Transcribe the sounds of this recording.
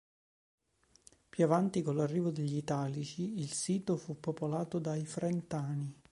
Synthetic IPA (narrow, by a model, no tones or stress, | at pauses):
pjuavant̪ikolarːiːvod̪eʎːit̪aːlit͡ʃiilsiːt̪ofupːopolaːt̪od̪aifɾɛnt̪aːni